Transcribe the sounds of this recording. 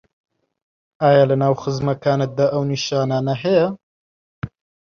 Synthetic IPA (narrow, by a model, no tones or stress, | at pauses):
aːjaːlɨnaːwxɨzmɐkaːnɨt̪̚d̪aʔɐwniʃaːnaːnɐɦɛjɐ